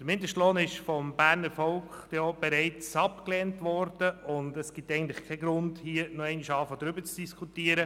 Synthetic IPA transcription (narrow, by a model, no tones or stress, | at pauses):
d̥əɾmɪndəʃtloːnɪʃfɔmbæːɾnəɾfɔlkχob̥ɛɾɛɪt͡sɑpklɛːntʋɔrd̥əʔʊndəsɡ̥ɪtːɛɪɡntlɪχkʰɛɡɾʊndhiːənɔɛɪniʃɑːfəd̥̪ɾʏbət͡sd̥iskʰutiːəɾə